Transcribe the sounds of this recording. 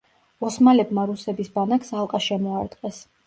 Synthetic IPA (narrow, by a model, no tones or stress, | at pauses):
ɔsmalɛbmaɾusɛbisbanakʰsalˠqʼaʃɛmɔaɾt̪ʼqʼɛs